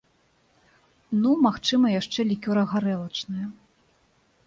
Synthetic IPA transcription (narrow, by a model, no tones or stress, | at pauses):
numaxt͡ʂɨmɐjaʂt͡ʂɛlʲikʲɔɾɐɣaɾɛlˠɐt͡ʂnɐjɐ